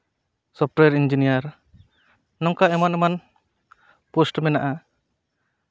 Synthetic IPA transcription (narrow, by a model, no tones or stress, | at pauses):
sɔp̚ʈɛɾind͡ʒinijaɾ | nɔŋkaɛmanɛman | posʈmɛnaʔa